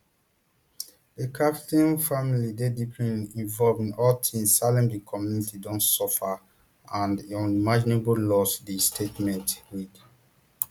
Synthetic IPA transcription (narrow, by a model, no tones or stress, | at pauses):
dekʰaptĩnfamilidedipʰɹɛ̃nĩnvɔlvĩnɔltʰĩmsːalɛ̃mdikʰɔmjunitidɔ̃nsɔfa | ãndɔ̃nimad͡ʒinebolɔsdistʰetmɛ̃ntwid